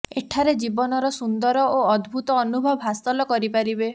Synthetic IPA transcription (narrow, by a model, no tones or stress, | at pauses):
eʈʰaɾed͡ʒibɔnɔɾɔsund̪ɔɾɔoɔd̪ʱbʱut̪ɔːnubʱɔbɔɦast̪ɔlɔkɔɾipaɾibe